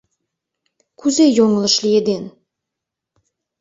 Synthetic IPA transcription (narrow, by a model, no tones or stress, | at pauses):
kʰʉzejoŋə̆lˠə̆ʃlʲijed̪en